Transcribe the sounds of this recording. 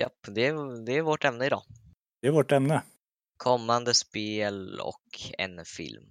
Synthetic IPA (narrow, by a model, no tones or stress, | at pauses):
ja̰pːd̪ɛæd̪ɛæɾvoːʈɛmnəɪd̪ɑ̰ː | d̪ɛæɾvoːʈɛmnə | kʰɔmːand̪əspeːlɔ̰kʰɛ̰nfɪ̰lm